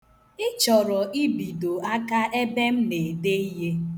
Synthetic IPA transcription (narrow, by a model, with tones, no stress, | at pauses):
ɪ˦t͡ʃɔ˨ɾɔ˨ʔi˦bi˨do˨a˦ka˦ʔe˦be˦m̩˦ne˨de˦i˦ɦe˦